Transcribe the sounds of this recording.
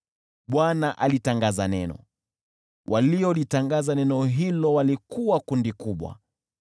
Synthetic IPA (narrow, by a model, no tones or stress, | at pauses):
ɓwanaʔalitaŋɡazanɛnɔ̰ | wʔaliɔlitaŋɡazanɛnɔɦilɔwalikuwakundikuɓwa̰